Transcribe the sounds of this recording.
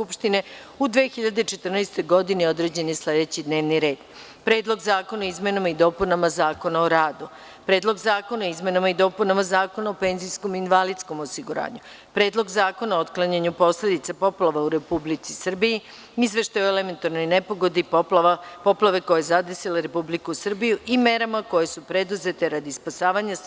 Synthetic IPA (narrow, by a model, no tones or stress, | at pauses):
skupʃt̪ine̞ | ud̪ʋexiʎad̪et͡ʃe̞t̪r̩najst̪o̞jɡo̞d̪inio̞d̪ɾe̞d͡ʑe̞nisle̞d̪e̞t͡ɕid̪ne̞ːʋniɾe̞ːd̪ | pɾe̞ːd̪lˠo̞ɡzaːko̞naizme̞namaid̪o̞punamazaːko̞naoɾaːd̪u | pɾe̞ːd̪lo̞ɡzaːko̞naizme̞namaid̪o̞ːpunamazaːko̞naope̞ːnzijsko̞minʋalid̪sko̞mosiɡuɾa̰ːɲu | pɾe̞ːd̪lo̞ɡzaːko̞naot̪klˠaɲaɲupo̞sle̞d̪it̪sapo̞plˠaʋauɾe̞publit̪sisr̩biji | izʋe̞ʃt̪ajoeleme̞nt̪aɾno̞jne̞po̞ɡo̞d̪i | po̞plˠaʋe̞ko̞jejezad̪esilaɾe̞publikusr̩bijuʔime̞ɾamako̞je̞supɾe̞d̪uze̞t̪e̞ɾad̪ispasaːʋaɲa